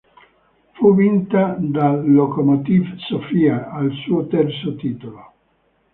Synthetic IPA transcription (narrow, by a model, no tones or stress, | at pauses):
fuvint̪ad̪alokomot̪ivsofiaalsuːot̪ɛrt̪sot̪iːt̪olo